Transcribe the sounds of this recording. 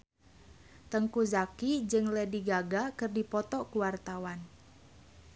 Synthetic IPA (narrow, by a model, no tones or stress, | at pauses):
t̪əŋkuzakid͡ʒɨŋlɛdiɡaɡakɨrdipɔt̪ɔkuwart̪awan